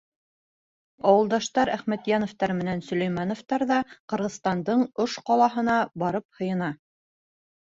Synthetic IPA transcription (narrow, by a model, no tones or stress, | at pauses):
ɑwɤ̆lˠd̪ɑʃt̪ɑɾæχmæt̪jɑnoft̪ɑɾmɘ̆nænsɵ̆læ̆jmɑnoft̪ɑɾðɑqɤ̆ɾʁɤ̆ðst̪ɑnd̪ɤɴoʃqɑlˠɑɦɤ̆nɑbɑɾɤp̚hɤ̆jɤ̆nɑ